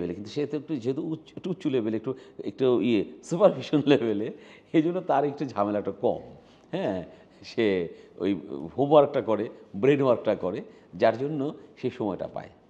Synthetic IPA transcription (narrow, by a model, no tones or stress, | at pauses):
belekint̪uʃet̪kud͡ʑeɦet̪̬ouek̚ʈuutːɕulebeleek̚ʈuḛk̚ʈaiesupaɾbʱiʃonlebele | ed͡ʑonːot̪aɾek̚ʈud͡ʑʱamelaekʈakɔ̰m | hɛ̃ | ʃeo̰jhobwaɾk̚ʈakɔɾebɾenaɾk̚ʈakɔɾe | d͡ʑaɾd͡ʑonːoʃeʃɔmɔeʈa̰pa̰e